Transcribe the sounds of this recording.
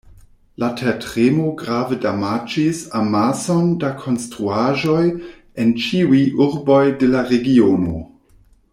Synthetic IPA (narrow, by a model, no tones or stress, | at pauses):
latʰetʁemo̞ɡɾavedamat͡ʃisamaso̞ndakʰo̞nstɾuaʒo̞j | ent͡ʃiujʔuɾbo̞jde̞laɾe̞ɡiono̞̰